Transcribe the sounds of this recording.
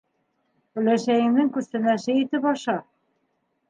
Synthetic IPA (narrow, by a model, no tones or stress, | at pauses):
bɵ̆læʃæjɘ̆mnɘŋkʉst̪ɘ̆næʃɘit̪ɘpɑʃɑ